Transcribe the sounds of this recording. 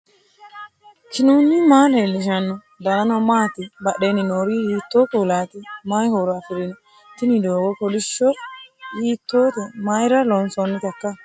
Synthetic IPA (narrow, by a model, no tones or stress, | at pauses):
t͡ʃɪnuːnːɪmaːlɐɪlːɪʃ̬ɐnːɔ | d̪ɐlɐnɔmaːt̪ɪbɐɗenɪnoːɾihiːt̪ːoːkuːlaːt̪ɪmajhoːɾɔɐfɪɾɪn | t̪ɪnɪd̪oːɡɔkɔlɪʃɔhiːt̪ːoːt̪ɛmajɾɐlɔnsɔnːɪt̪ɐkːɐ